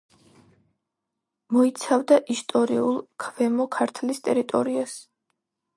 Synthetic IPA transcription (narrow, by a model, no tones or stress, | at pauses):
mɔit̪sʰavd̪aʔist̪ʼɔɾiulˠkʰvɛmɔkʰaɾt̪ʰlist̪ʼɛɾit̪ʼɔɾias